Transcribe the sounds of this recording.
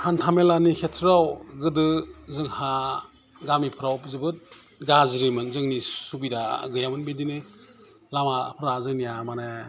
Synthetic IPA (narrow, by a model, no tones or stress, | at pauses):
hantʰamelanikʰetʰɾawɡɯdɯzɯŋha | ɡamipʰɯɾawpzɯbɯt̚ | ɡazɾimɯnzɯŋnisubida̰ɡɯjamɯnbidinɯ | lamapʰɯɾazɯjnijamane